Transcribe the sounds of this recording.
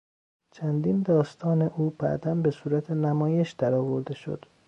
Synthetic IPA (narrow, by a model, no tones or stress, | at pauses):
t͡ʃʰænd̪ind̪ɒːst̪ʰɒːne̞ʔuːb̥æ̰ʔd̪ænbe̞suːɾæt̪ʰe̞næmɒːje̞ʃd̪̥æɾɒːvo̞ɾd̪e̞ʃo̞̰d̪̥